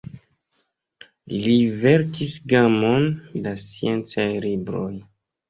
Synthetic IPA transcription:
ilive̞ɾkisɡamondasie̞nt͡sajlibɾo̞j

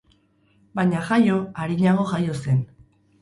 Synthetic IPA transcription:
baɲaxajo̞aɾiɲaɣ̞o̞ʝajo̞se̞n

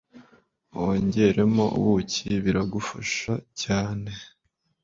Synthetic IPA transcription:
oɲɟe̞ɾe̞mo̞̰wuciβiɾaɡufaʃacaːne̞

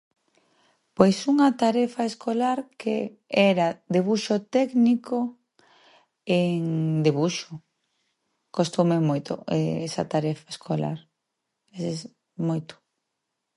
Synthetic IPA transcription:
pojsuŋɐt̪aɾɛfaeskolaɾkḛ | ɛɾad̪eβuʃot̪ɛkniko | eŋd̪eβuʃo | kost̪omemojt̪o̰ɛ̰ɛsɐ̰t̪aɾɛfaeskʰola̰ɾ | eses | mojt̪o̥

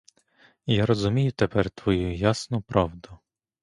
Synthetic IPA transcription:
jaɾɔzʊmʲijʊt̪epɛrt̪ʋɔjujasnʊpɾɑwd̪ʊ

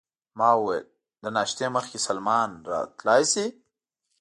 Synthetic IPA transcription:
mɑwuwḛl | d̪ənɑːʃt̪eməxkesalmɑnɾɑ̰t̪lɑjsi

